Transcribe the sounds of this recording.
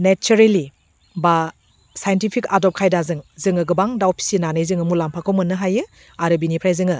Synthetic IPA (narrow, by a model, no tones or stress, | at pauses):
net͡ʃuɾeli | ba | sajentipʰikadɔp̚kʰajdazɯŋzɯŋɯɡɯbaŋdawpʰi̥sinanɯjzɯŋɯmulampʰakʰowmɯnːɯɦajɯ | aɾɯbinipʰɾajzɯŋɯ